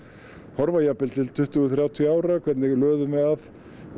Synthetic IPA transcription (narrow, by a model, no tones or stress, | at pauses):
hɔɾvajapɪlt̪ʰɪlt̪ʰʏht̪ʏːθɾjaːwt̪ʰjaːwɾakʰvɛt̪nɪɣlœːðʏmɛðað